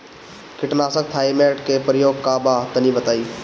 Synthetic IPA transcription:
kɪʈnaːsək̚t̪ʰaːimeːʈkepəɾɪjoːɡ̚kaːbat̪ənibət̪aːiː

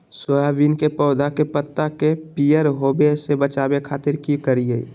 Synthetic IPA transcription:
sojaʋinkepɔʊd̪akepət̪ːakepijəɾɦoːbesebət͡ʃaːbekʰaːt̪ɪɾkikəɾie

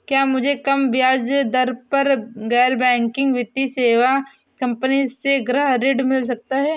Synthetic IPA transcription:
kjaːmʊd͡ʒʱekɐmbjaːd͡ʒd̪ɐɾpɐɾɡɛːɾbɛ̃ːŋkɪ̃ŋɡʋɪt̪iseːʋa | kɐ̃mpəniseɡɾəɦɾɪɖmɪls̬ɐk̚t̪aɦɛː

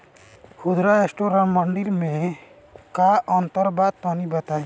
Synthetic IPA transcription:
hud̪ɾaesʈoɾaməɳɖiɾmẽ | kaʔɔnt̪əɾbad̪̚t̪ɔnibət̪aẽ

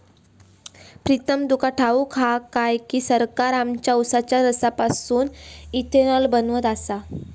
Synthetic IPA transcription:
pɾit̪əmd̪ukʰaʈʰaukʰakajkiːsəɾkaɾamt͡ɕjausat͡ɕjaɾəsapasuːnit̪ʰenɔlbənʋət̪asa

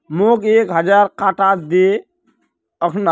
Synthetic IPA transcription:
mokekɦəd͡ʒaɾkaʈad̪e | əkʰn

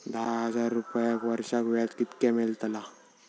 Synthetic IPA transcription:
d̪aɦəd͡zaɾːupjekʋəɾɕakʋat̪kit̪kɛmelt̪əla

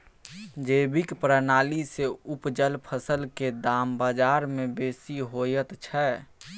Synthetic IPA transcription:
d͡ʒeːbɪkpɾənaːliseʊpd͡ʒəlpʰəsəlked̪aːmbad͡ʒaːɾmẽbeːsiɦojət̪t͡ʃʰɛː

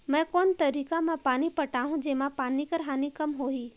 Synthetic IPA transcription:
mɛ̃ːkɔːnt̪ɐɾiːkamãpaːnipɐʈaːɦũd͡ʒeːmãpaːnikɐɾɦaːnikɐmɦoːiː

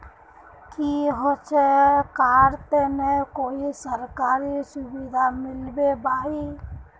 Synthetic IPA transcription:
kiɦot͡ʃʰekaɾt̪emekoisəɾkaɾisubid̪ʱamɪlbebai

